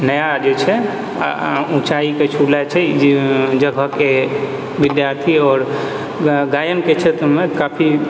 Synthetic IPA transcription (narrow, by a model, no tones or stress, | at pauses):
nəjad͡ʒet͡ʃʰɛ̰ | ũt͡ʃaiket͡ʃʰulat͡ʃʰɛd͡ʒd͡ʒəɡʱəke | bid̪jaɾt̪ʰiɔːɾ | ɡajənket͡ʃʰet̪əmekapʰi